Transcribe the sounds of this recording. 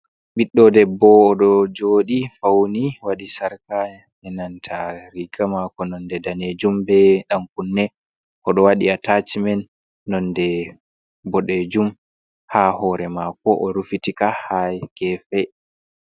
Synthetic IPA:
ɓiɗːɔdɛbːɔːɗɔd͡ʒoːɗifawniwaɗisaɾka | ɛnantʰaɾiɡamakɔnɔndɛdaned͡ʒumbɛɗaŋkunːɛ | ʔɔɗɔwaɗiatat͡ʃmɛnː | ɔndɛ | bɔɗed͡ʒum | hahɔːɾɛmakɔʔɔɾufitikahajkɛfɛ

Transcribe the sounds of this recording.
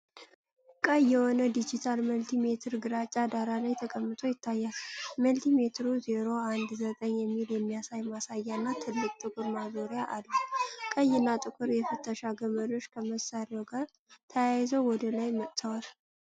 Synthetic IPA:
kʼəjːɛhonəd̪id͡ʒit̪ʰalməlt̪ʰime̞t̪ʰɨɾɡɨɾat͡ʃʼːad̪aɾalajt̪ʰəkʼəmːɨt̪ʰʼo̞jɪt̪ʰːajːalməlt̪ʰime̞t̪ʰɾuzeɾo̞and̪zət̪ʼəɲjɛmːiljɛmːijasajmasajːanːat̪ʰɨlːɨkʼt̪ʼɨkʷʼuɾmazoɾɪjaʔalːukʼəjːɪnːat̪ʼɨkʷʼuɾjɛfət̪ʰːəʃaɡəməɾo̞t͡ʃːkʰəməsːaɾawɡaɾ | t̪ʰəjajɪzəwwɔd̪əlajmək̪ʼt̪ʰəwal

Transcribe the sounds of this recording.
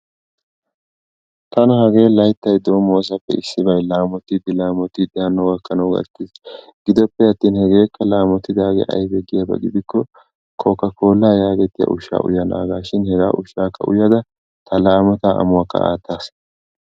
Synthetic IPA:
t̪ɐnɐhɐɡe̞ːlɐjt̪ːɐjd̪o̞ːmoːs̬ɐpːɛɪsːɪbɐjlaːmɔt̪ːɪd̪ɪlaːmɔt̪ːɪd̪ɐnːɔɡɐkːɐnɐwɡɐ̰t̪ːis | ɡ̥ɪd̪ɔpːɛhɐt̪ːiːnhɛɡe̞ːkʰːɐlaːmɔt̪ːɪd̪aːɡɛ̰ʔɐ̰jbɛɡɪjabɐ̰ɡɪd̪ɪkːɔ | kʰɔkːɐko̞ːlːaːjaːɡɛt̪ːɪjɐ̰ʔʊʃa̰ːʔʊ̰jɐna̰ːɡaːʃɪnhɛɡa̰ːʔʊʃaːkʰːɐ̰ʊ̰jɐd̪ɐ | t̪ɐlaːmɔt̪aːʔɐ̰mʊakːɐ̰a̰ːt̪ːaːs

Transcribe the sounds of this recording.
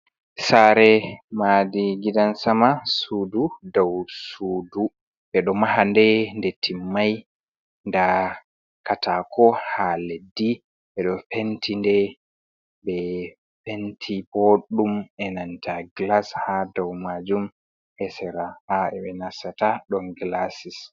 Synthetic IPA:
saɾɛmadiɡidansamasududawsuːdu | ʔɛɗɔmaɦandɛndɛtʰːimːaj | nda | katʰakʰɔhaledːi | ɓɛɗɔfentʰindɛ | bɛ | fentʰiboɗːumɛnantʰaɡlashadawmad͡ʒum | hɛsɛɾahaɛɓɛnasataɗɔnɡlasis

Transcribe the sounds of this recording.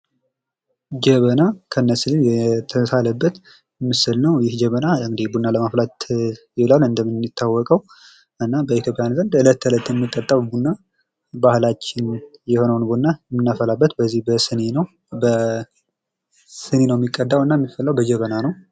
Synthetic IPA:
d͡ʒəβənakʰəɨnːəslijɛt̪ʰəsaləbːət̪ | ɛmːɨsɨlnəwjɪhd͡ʒəβənaŋɡd̪ebunːaləmaflat̪jɪlalɨnd̪əmɨnːit̪ʰːawːɔkʼəw | ʔɨnːabəit̪ʰjo̞pʼjanzənd̪ɨlət̪ːɨlət̪ːjɛmːɨt̪ʼːət̪ʼːəwbunːa | bahlat͡ʃːɪnjɛho̞nəwnbunːajɛmːɨnːafəlabːət̪bəzːihbəsɨnenəw | bə | sɨnenəwɛmːikʼːəd̪ːawɨnːajɛmːifːəlːawbəd͡ʒəβənanəw

